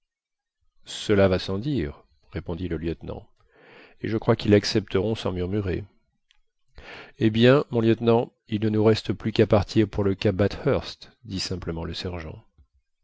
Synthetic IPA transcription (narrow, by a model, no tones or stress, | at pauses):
səlavasɑ̃d̪iʁ | ʁepɔ̃d̪iləljœt̪nɑ̰̃ | ḛʒəkχwakilːaksɛp̚t̪əʁɔ̃sɑ̰̃myʁmyʁe | ebjɛ̃mɔ̃ljœt̪nɑ̃ | ilnənuʁɛst̪əplykapaʁt̪ʰiʁpuʁləkabat̪hœʁst̪ | d̪isɛ̃pləmɑ̃ləsɛʁʒɑ̰̃